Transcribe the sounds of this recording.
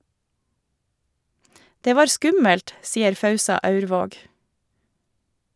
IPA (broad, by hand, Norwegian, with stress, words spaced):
ˈdeː ˈʋɑːɾ ˈskʉməlt ˈsiːəɾ ˈfɑʉsɑ ˈɑʉɾˌʋoːɡ